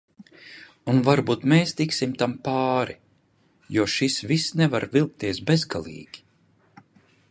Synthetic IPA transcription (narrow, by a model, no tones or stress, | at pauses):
unvaɾbuːt̪meːst̪iksimt̪ampaːɾi | juɔʃisvisnɛvaɾvilˠk̚t̪iɛsbezɡalˠḭːɡ̥ʲi̥